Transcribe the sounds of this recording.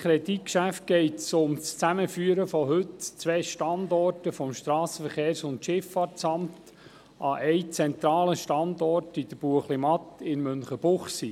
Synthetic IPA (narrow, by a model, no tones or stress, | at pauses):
kʰɾɛditkʃæft̚ɡ̥ɛɪtsʊmst͡sæməfyːəɾəfɔɦɵtt͡sʋɛːʃtɑndɔrtəfɔmʃtɾɑːsəfəɾχeːɾsʊntʃɪfɑtt͡sɑmt | ʔɑʔɛɪt͡sɛnt̪ɾɑːləʃtɑnd̪ɔrtid̥̪əɾb̥uəχlimɑt̪ɪnmʏnχəb̥ʊχsi